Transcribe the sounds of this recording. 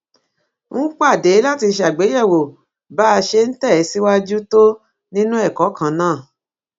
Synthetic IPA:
ŋũ˦k͡pa˦˨de˨˦la˦ti˧ʃa˨ɡ͡be˨˦jɛ˦˨wo˨ | ba˦˧ʃe˧n̩˦tɛ˦˨˦si˦wa˦d͡ʒu˦to˦ | nĩ˦nũ˦ɛ˦˨kɔ˨˦kã˧nãː˦˨

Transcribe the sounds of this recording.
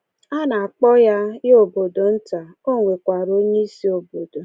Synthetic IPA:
a˦na˨a˨k͡pɔ˦ja˦o˨bo˨do˨n̩˦ta˨ | o˦ŋʷe˨kʷa˨ɾo˦ɲe˦i˦si˦o˨bo˨do˨

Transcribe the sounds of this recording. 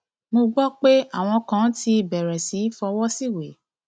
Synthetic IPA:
mõ˧ɡ͡bɔ˦k͡pe˦a̰˦˨w̃ɔ̃˧kã˨˦ti˧i˨bɛ˨ɾɛ˨si˨˦fɔ˧wɔ˦si˦˨we˨˦

